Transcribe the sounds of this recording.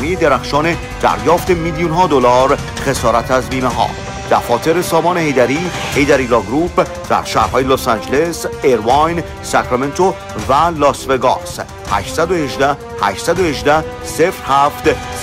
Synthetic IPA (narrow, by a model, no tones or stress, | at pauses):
nijed̪eɾæxʃɒːne | d̪̥æ̰ɾjɒːft̪e̞milijunɦɒːd̪olɒːɾ | χe̞sɒːɾæt̪ʰæzbiːneɦɒ̰ː | d̪̥æɾfɒːt̪ʰe̞ɾesɒːmɒːnehejd̪æɾiːhe̞jd̪æɾilɒɡɾuːb | d̪̥æ̰ɾʃæːhɾhɒːjelosænd͡ʒeleseɾvɑjn | sækɾeme̞nt̪ʰo | vælɒːsveɡɒ̰ːs | hæ̰ʃt̪sæd̪ohe̞ʒd̪æh | hæ̰ʃt̪sæd̪ohe̞ʒd̪æh | sefɾhæːft̪